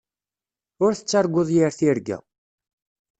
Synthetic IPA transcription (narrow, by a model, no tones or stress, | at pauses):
ʊɾθə̥t͡sːaɾɡʷːoðˤjiɾθiɾɡæ̰